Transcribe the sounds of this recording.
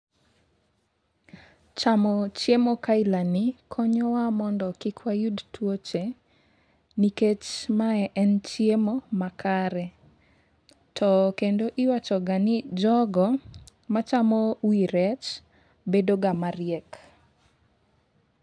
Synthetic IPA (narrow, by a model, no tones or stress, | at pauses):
t͡ʃamɔt͡ʃjemokailanikʰɔɲɔwamɔndɔkɪkʰwajudtwot͡ʃe | niket͡ʃmaɛʔɛnt͡ʃjemomakaɾɛ | tʰɔkendoʔiwat͡ʃɔɡanid͡ʒɔɡɔmat͡ʃamowiɾɛt͡ʃ | bedoɡamaɾɪjɛk